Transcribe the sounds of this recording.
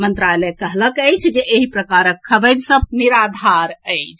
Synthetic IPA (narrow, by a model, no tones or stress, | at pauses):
mənt̪ɾalɛkəɦləkəjt͡ʃʰd͡ʒeʔːɦipɾəkaɾəkʰːəbəd̪səb̚niɾad̪ʱaɾəɪt͡ʃʰ